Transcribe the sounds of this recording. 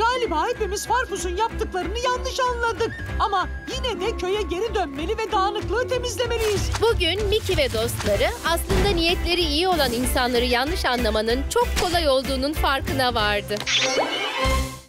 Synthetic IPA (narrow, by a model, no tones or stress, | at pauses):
ɡ̥aːlʲibaːipemizfaɾfusunjap̚t̪ʰɯklˠaɾɯnɯjanːɯʃanlˠad̪ɯk̚ | ama | jinɛd̪ɛcʰø̞jɛɟe̞ɾid̪ønme̞lʲivɛd̪aːnˠɯklˠɯːt̪ʰe̞mizlʲe̞me̞lʲijiz̥buɟynmicʰivɛd̪o̞st̪lˠaɾɯaslˠɯnd̪anijɛt̪lʲe̞ɾiijio̞lˠaninsanlˠaɾɯjanlˠɯʃanlˠamanɯnt͡ʃʰo̞kʰːo̞lˠajo̞lˠd̪uːnunfaɾkɯnavaɾd̪ɯ